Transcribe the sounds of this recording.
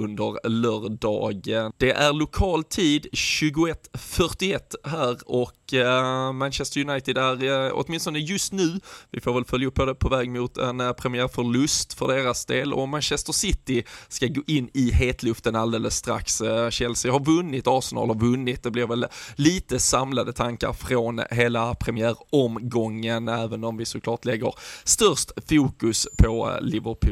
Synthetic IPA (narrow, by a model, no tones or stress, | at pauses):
ɵnd̪əɾlœːɾɖɑ̰ːɡənd̪̥ɛʔæɾɭʊkʰɑːlt̪ʰiːd̪ɕʉ̟ːɡʊɛt̪ːfœʈɪɛt̪ːɦæːɾɔk | manɕɛst̪əɾjʊnajt̪ɪd̪æɾɔ̰t̪mɪnst̪ɔnd̪əjɵst̪nʉ̟ːvɪ̰foːɾvɛlfœljaɵpːɔd̪ɛpʰɔvɛːɡmʊːt̪ʰɛnpʰɾɛmɪæːɾfœɭɵst̪fœ̰ɖeːɾasd̪eːlɔ̰manɕɛst̪əsɪt̪ːɪskaɡoːʔɪnːɪɦeːt̪ʰlɵft̪ənald̪eːləsːt̪ɾa̰ksɕɛlsɪɦɑɾvɵnːɪt̪ɑɾsɛnɑ̰ːlɑɾvɵnːɪt̪̚d̪ɛblɪɾvɛlːiːt̪əsamlad̪ət̪ʰaŋka̰ɾfɾonɦeːlapʰɾɛmɪæːɾɔmɡɔŋːənæːvənɔmvɪsʊklɑːʈlɛɡə̰ɾst̪œɾʂt̪fuːkɵspʰɔlɪvəɾpʰʉ